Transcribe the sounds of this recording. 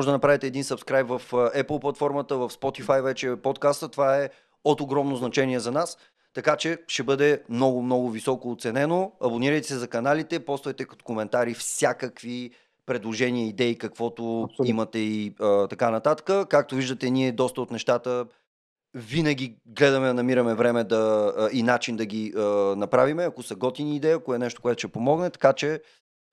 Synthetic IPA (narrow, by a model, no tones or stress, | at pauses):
ɔʒɛd̪ənɐpɾavit̪ɛːd̪insɐpskɾajpvɐfɛpəlˠplˠɐt̪fɔɾmət̪əvɐfspɔt̪ifajvɛt͡ʃɛpɔt̪kast̪ət̪ovaɛ | ot̪oɡɾɔmnoznɐt͡ʃɛniɛzɐnas | t̪ɐkat͡ʃɛʃɛbɤd̪ɛmnɔɡʊmnɔɡʊvisɔkoːt̪sɛnɛnoɐbʊniɾəjt̪ɛ̥sɛzɐkɐnalit̪ɛpɔst̪vɐjt̪ɛkt̪o̥komɛnt̪aɾifsʲjakəkvi | pɾɛd̪lˠoʒɛnʲiəid̪ɛikɐkvɔt̪oimɐt̪ɛiət̪ɐkanɐt̪at̪ə̥kəkak̚t̪oviʒd̪ət̪ɛniɛd̪ɔst̪əot̪nɛʃt̪at̪ə | vinəɡʲiɡlɛd̪ɐmɛnɐmiɾɐmɛvɾɛmɛd̪ɐinat͡ʃind̪ɐɡʲiənɐpɾavimɛɐkosɐɡɔt̪iniːd̪ɛjəɐkoɛnɛʃt̪o̥koɛt̪ʊʃɛpomɔɡnɛt̪ɐ̥kat͡ʃɛ